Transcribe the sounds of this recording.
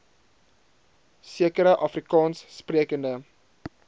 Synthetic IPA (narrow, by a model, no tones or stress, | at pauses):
siəkəɾəʔɐfrikɑːnsːpriəkəndə